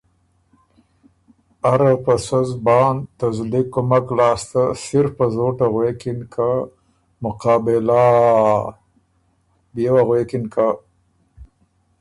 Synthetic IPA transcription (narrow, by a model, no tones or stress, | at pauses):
aɾapəsazbɑːnt̪azlikomaklɑːst̪asɪɾfpəzoʈaɣwekɪnkʰa | mʊqɑːbɪla | bjewaɣwekɪnkʰa